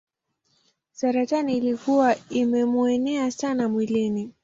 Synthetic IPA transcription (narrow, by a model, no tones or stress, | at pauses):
saɾataniːlikuwaimɛmuɛnɛasanamwilini